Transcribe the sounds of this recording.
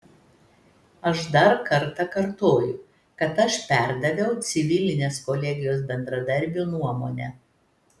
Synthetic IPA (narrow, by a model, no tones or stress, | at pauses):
ɐʃd̪ɐɾkɐɾt̪ɐkɐɾt̪oːjʊ | kɐt̪ɐʃpʲæˑɾd̪ɐʋʲɛʊt̪sʲɪʋʲɪlʲɪnʲeːskɔlʲɛɡʲɪjoːs̬bʲɛnd̪ɾɐd̪ɐɾʲbʲuːnuɔmoːnʲɛ